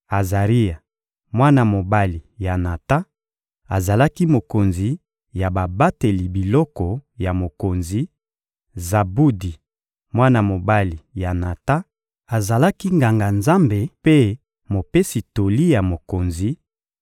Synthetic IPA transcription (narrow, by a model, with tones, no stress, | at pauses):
a˨za˨ʁi˦ja˨ | mwa˦na˨mo˨ba˦li˨ja˨na˨ta˦ | a˨za˨la˦ki˦mo˨ko˨nzi˨ | ja˨ba˨ba˦te˨li˨bi˨lɔ˦kɔ˨ja˨mo˨ko˨nzi˨ | za˨bu˦di˨ | mwa˦na˨mo˨ba˦li˨ja˨na˨ta˦ | a˨za˨la˦ki˦ŋɡa˨ŋɡa˨nza˦mbe˨pe˦ | mo˨pe˦si˨to˨li˦ja˨mo˨ko˨nzi˨